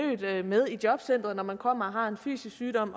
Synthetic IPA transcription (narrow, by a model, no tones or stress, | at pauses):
ø̰ːd̥með̞ˠid̥jɒ̽b̥sen̰d̥ʁɐnɒmænkʰɒ̽m̰ɐɒɦɑ̈e̝nfy̰ːsisyːɾ̥ɒ̽m̰